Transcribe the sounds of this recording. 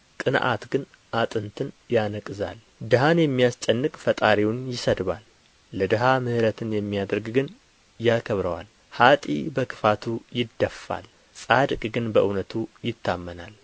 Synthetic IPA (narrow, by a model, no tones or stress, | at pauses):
t̪ʼɨn̰ʔa̰t̪ɡɨn | ʔat̪ʼɨnt̪ʰɨn | janəkʼɨza̰l | d̪əɦanjɛmːijast͡ʃʼɛnːɨkʼfət̪ʼaɾiwnjɪsəd̪βa̰lː | əd̪əɦamɨhɨɾət̪ʰɨnjɛmːijad̪əɾɡɡɨn | jakʰəβɾəwa̰l | hat̪ʼḭbəkʰɨ̥fat̪ʰujɪd̪ːəfːa̰l | sʼad̪kʼɡɨnbəʔɨwnət̪ʰujɪt̪ʰːamːəna̰l